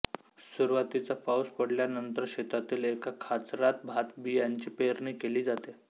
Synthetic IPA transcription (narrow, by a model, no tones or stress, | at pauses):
suɾʋat̪it͡safawspəɽljanənt̪əɾɕet̪at̪iːlekakʰat͡sɾat̪̚bʱat̪bijaɲt͡ɕiːpeɾɳiːkeliːd͡zat̪e